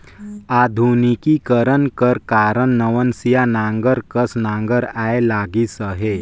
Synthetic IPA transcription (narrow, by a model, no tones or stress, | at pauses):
ad̪ʱunikikəɾənkəɾkaɾənnəʋənsijanãŋɡəɾkəsnãŋɡəɾajelaɡisəɦe